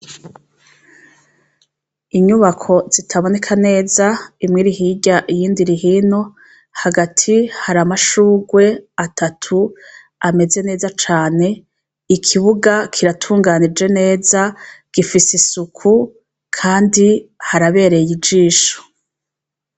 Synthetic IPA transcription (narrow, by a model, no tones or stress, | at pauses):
iɲuβakʰo̞z̥itʰaβo̞ne̞kʰane̞ːzaimŋiːɾiɦiɟaʔijiːndiɾiɦiːno̞ | haɡatʰihaɾamaʃuːɡwe̞atʰatʰu | ame̞ze̞ne̞ːzat͡ʃaːne̞ | ikʰiβuɡakʰiɾatʰuːŋɡanid͡ʒe̞ne̞ːzaɡ̥ifisisukʰu | kʰaːndihaɾaβe̞ːɾejid͡ʒiːʃo̥